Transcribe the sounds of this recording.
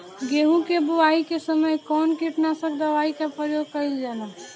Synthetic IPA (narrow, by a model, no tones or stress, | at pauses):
ɡeɦũkebuwaikesəməjkɔnkiʈnasəb̚d̪əʋaikapəjoɡ̚kəɪld͡ʒana